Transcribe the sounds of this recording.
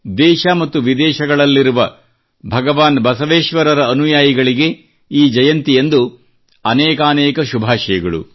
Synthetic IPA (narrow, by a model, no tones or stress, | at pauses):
d̪ɛːʃɐmɐt̪ːuʋid̪ɛːʃɐɡɐɭɐlːiɾuʋɐ | bʱɐɡɐʋaːnbɐsɐʋeːʃʋɐɾɐɾɐːnujaːjɐɡɐɭiɡe̞ | iːd͡ʒɐjɐnt̪iend̪u | ɐnɛːkɐːnɛːkɐʃubʱaːʃɐjɐɡɐɭṵ